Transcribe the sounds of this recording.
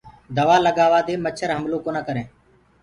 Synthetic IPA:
d̪əʋaːləɡaːʋaːd̪eːmət͡ʃʰəɾɦəmloːkoːnaːkəɾẽː

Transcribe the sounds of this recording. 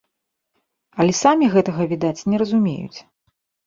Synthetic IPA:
ɐlʲɛsamʲiɣɛt̪ɐɣɐvʲid̪at͡sʲnʲɛɾɐzumʲḛjṵt͡sʲ

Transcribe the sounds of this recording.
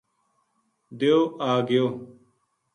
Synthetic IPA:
d̪ejoːaːɡɪjoː

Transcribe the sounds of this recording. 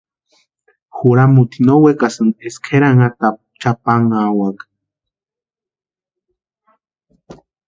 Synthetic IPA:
xuɾamut̪inowekasɨneskʰeɾaŋat̪a | t͡ʃapaŋawak

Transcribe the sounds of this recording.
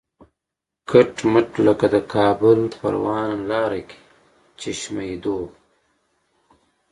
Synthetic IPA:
kʰaʈməʈləkad̪əkʰɑːbʊlpa̰ɾwɑːnlɑːɾeke̥ | t͡ʃiʃmajd̪oː

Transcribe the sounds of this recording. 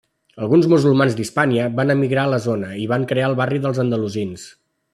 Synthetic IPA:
əlˠɣunzmuzulˠmanzd̪ispaniəβanəmiɣɾaələzonəiβaŋkɾeaəlˠβariðəlˠzənd̪əluzins

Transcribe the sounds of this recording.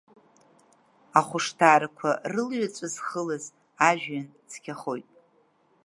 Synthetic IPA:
aχʷʊʂtʰaːɾakʷʰarɨlɥat͡sʷʼazχəlaz | aʒᶣɥan | t͡sʰkʲʰaχo̞jtʼ

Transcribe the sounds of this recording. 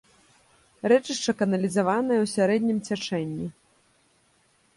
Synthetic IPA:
rɛt͡ʂɨʂt͡ʂɐkɐnɐlʲizavanɐjɛwsʲaɾɛd̪ʲnʲimt͡sʲat͡ʂɛnʲːi

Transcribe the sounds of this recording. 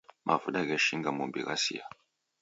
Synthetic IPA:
mʔa̰vuɗaɣɛʃiŋɡamumbḭɣasḭja

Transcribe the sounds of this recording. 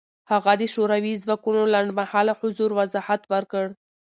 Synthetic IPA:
haɣad̪əʃoɾawizwɑkunolaɳɖmahɑlahʊzuɾwazɑhat̪wəɾkəɽ

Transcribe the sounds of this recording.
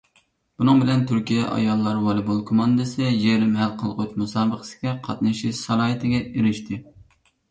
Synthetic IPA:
b̥unɨŋbɪlɛnt̪ʰyɾkʲijɛʔɑ̰jɑlˠːɑɾwɑlˠɨbolˠkʰomɑnd̪ɨsɨjeɾɪmɦælqʰəlˠʁot̪musɑːbəqʰə̥sɪ̥ɡʲɛqʰɑt̪nɨʃiʃsɑlˠɑːɦɨt̪ɪɡʲɛeɾɪʃt̪ʰɪ

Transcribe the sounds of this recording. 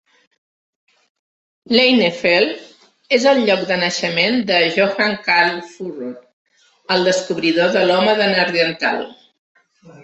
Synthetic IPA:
lejnefel | ezəlʎɔkd̪ənəʃəmend̪əʒoxaŋkalfurot̪ | əlˠd̪əskuβɾiðoðəlɔməðənəɾðiənt̪a̰lˠ

